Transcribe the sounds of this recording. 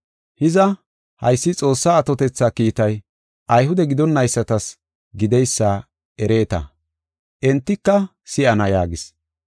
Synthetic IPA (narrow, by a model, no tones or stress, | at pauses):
hɪzɐ | hɐ̰jsːɪt͡sʼo̞ːsːaːt̪ɔt̪ɛt͡sːaːkiːt̪ɐj | ʔɐjɦʊd̪ɛɡɪd̪ɔnːɐjsːɐt̪ɐs | ɡɪd̪ɛjsːaː | ʔɛɾe̞ːt̪ɐ̰ | ʔɛnt̪ːɪkːɐ | sɪʔɐnɐjaːɡɪs